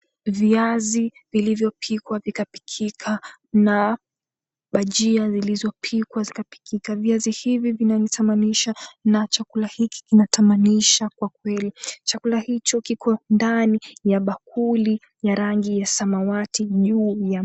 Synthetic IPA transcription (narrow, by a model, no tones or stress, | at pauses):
viazivilivjɔpʰikwavikapi̥kʰikʰana | ɓaʄiazilizɔpʰikwazikapi̥kʰikaviazihivivinanitʰamaniʃanat͡ʃakulahiki̥kinatʰamaniʃakwak̚wɛlit͡ʃakulahit͡ʃɔkikʰɔndanijaɓak̚ʰuli | jaɾaŋɡijasamawatʰiʄuːja